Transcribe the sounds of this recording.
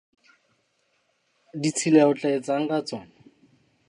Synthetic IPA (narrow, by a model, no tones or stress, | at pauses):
dit͡sʰileaʊt͡ɬʼaet͡saŋ̩kat͡sɔːŋa